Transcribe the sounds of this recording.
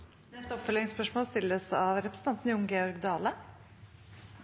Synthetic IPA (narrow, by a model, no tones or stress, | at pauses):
nɛst̪əɔpfœlɪŋspœʂmoːlst̪ɪlːəsɑʋɾɛpɾəs̩ɑnt̪n̩jʊŋɡeːɔɾɡd̪ɑːlə